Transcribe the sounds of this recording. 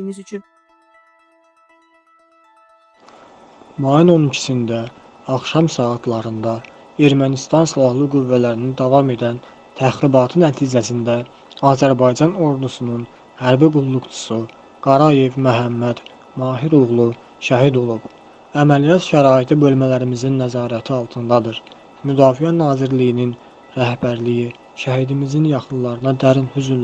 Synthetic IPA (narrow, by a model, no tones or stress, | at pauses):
imizyt͡ʃʰyn | mɑjuno̞nicʰi̥sind̪æ | ɑχʃɑmsɑːt̪ʰlˠɑɾɯnd̪ɑ | e̞ɾmænist̪ɑnsilˠɑhlˠɯɡuvːælæɾinid̪ɑvɑme̞d̪æn | t̪ʰæxɾibɑt̪ʰɯnæt̪ʰiːd͡ʒæsind̪æ | ɑːzæɾbɑjd͡ʒɑno̞ɾd̪usunun | hæɾbiɡulˠːuɡt͡ʃʰu̥su | ɡ̥ɑɾɑje̞vmæɦæmːæd̪̥ | mɑːɦiɾulɣlˠu | ʃɑɦid̪o̞lˠub | æmælijɑt̪ʃæɾɑːit̪ʰibø̞lmælæɾimizinːæzɑːɾæt̪ʰiɑlˠt̪ʰɯnd̪ɑd̪ɯɾ | myd̪ɑːfijænɑːziɾlijinin | ɾæhbæɾliji | ʃæhid̪imizinjɑχɯnlˠɑɾɯnɑd̪æɾnhyzyn